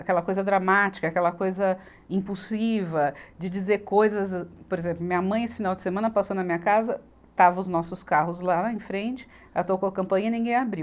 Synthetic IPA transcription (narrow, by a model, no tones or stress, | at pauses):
akɛlɐkojzɐd̪ɾamat͡ʃi̥kɐaːkɛlɐkojzɐ | ĩpuwsivɐd͡ʒɪd͡ʒizeɾkojzɐzpoɾezẽmplʊmĩɲɐmɐ̃j̃esɪ̥finawd͡ʒɪsemɐ̃nɐpasonɐmĩɲɐkazɐ | t̪avɐʊznɔsʊskahʊzlaẽfɾẽnt͡ʃɪ̥ | at̪okoɐkɐ̃mpɐ̃ɲɐinĩɡẽj̃abɾiw